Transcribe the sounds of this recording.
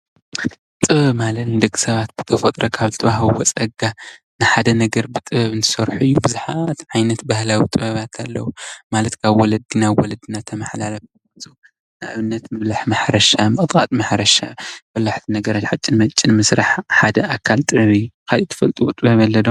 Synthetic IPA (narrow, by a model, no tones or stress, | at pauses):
t̪ʼɨββmalɐt̪d̪ɐɡsɐβat̪̚b̥ɨ̥t̪ʰɐfɐt̪ʼɾɐkʰaβzɨt̪ʰɐβaɦβwɔt͡sʼɐɡa | nɨħad̪ɐnɐɡɐɾbɨt̪ʼɨβɨnt̪ʰɨ̥sɐɾħuijːubɨzuħat̪ʕajnɐt̪bahlawit̪ʼɨβɐβat̪ʰalːɐ̰wumalɐt̪kʰaβwɔlɐd̪inawɔlɐd̪inat̪ʰːɐmɐħlalɐf | ɐt͡sʼu | nɨʔaβɨnːɐt̪mɨβlaħmaħɾɐʃamɨɨt̪ʼqʼat̪ʼmaħɾɐʃa̰bɐlːaħt̪ʰinɐɡɐɾat͡ʃħat͡ʃʼːɪnmɐt͡ʃʼːɪnmɨsɾaħħad̪ɐʔakʰalt̪ʼɨβɨjːukʰalit̪ʰɨ̥fɐlt̪ʼuwt̪ʼɨβɐβɐlːɐd̪o